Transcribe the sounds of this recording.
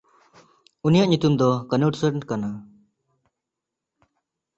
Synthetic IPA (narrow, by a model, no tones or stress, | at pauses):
unijaʔɲut̪umd̪ɔkənuʈsəɾɳkana